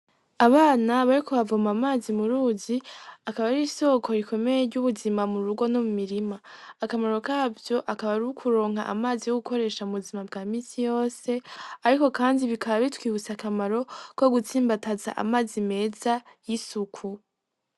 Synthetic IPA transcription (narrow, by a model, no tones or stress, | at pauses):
aβaːnaβaɾiko̞βavomamaːzimuɾuːziakaβaɾiso̞kʰo̞ɾikʰo̞me̞jeɾɟuβuzimamuɾuɡo̞nomumiɾimaːkamaɾo̞kaːvjo̞ʔakaβaɾuukʰuɾo̞ːŋɦa̰ʔa̰maːzijo̞ɡuko̞ɾe̞ːʃauβuzimabɡaːmiːnsijo̞ːse̞aɾiko̞kaːndiβikʰaβaβitwiːβut͡sakamaɾo̞ko̞ɡut͡siːmbataza̰ʔa̰maːzime̞ːzajisukʰu